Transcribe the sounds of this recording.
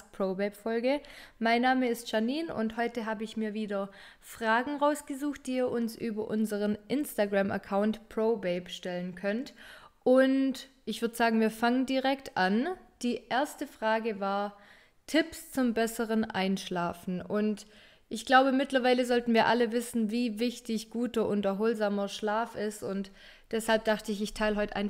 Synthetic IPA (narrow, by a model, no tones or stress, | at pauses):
pʰʁ̥oːbɛɪpfɔlɡəmaɪnːaːməɪstʃaniːnʊ̰nthɔʏtəɦaːbəɪçmiːɐviːdɐ | fʁ̥aːɡŋ̩ʁaʊsɡ̥əzuːxt̚d̥iːiːɐʔʊnsʔyːbɐʔʊnzəʁənʔɪnstaɡʁamʔɐ̰kʰaʊntpʁ̥oʊbɛɪbʃtɛlənkʰœntʔʊntʔɪçv̥ʏɐdəz̥aːɡŋ̩viːɐfaŋəndiʁɛktʰʔand̥iːʔeːɐstəfʁ̥aːɡəvaːɐ | tʰɪpst͡sʊmbɛsəʁənʔa̰ɪnʃlaːfn̩ʔʊnt | ʔɪçɡ̥laʊbəmɪtlɐvaɪləzɔltn̩viːɐʔaləvɪsn̩viːvɪçtɪçɡ̥uːtɐʔʊntɐɦʊːlzaːmɐʃlaːfɪstʊnt | d̥ɛshalp̚d̥aχtəɪçɪçtʰaɪlɦɔʏtʔa̰ɪn